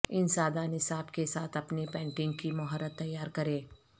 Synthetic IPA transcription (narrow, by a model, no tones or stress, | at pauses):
ɪnsaːd̪aːnɪsaːbkesaːt̪ʰɐpnepɛ̃ːɳʈɪ̃ŋɡ̚kimɐɦəɾət̪ːɐjːaːɾkɐɾẽː